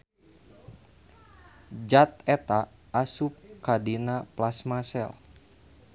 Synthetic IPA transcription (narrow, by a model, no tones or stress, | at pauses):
d͡ʒat̪̚ɛt̪aː | sup̚kadinaplasmasɛ̰l